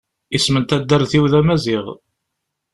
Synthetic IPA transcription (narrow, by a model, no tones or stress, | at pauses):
ismənt̪æd̪ːəɾˤθiwðæmæziʁ